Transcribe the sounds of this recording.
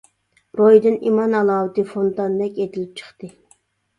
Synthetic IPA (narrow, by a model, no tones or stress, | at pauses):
ɾojd̪ɨnimɑnɑlˠɑːwt̪ɨfont̪ɑnd̪ɛkʲet̪ʰɪlɪp̚t͡ʃʰə̥χt̪ɨ